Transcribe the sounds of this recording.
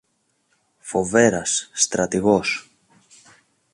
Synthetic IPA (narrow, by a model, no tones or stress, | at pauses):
fo̞ve̞ɾɐsːt̪ɾɐt̪iɣo̞s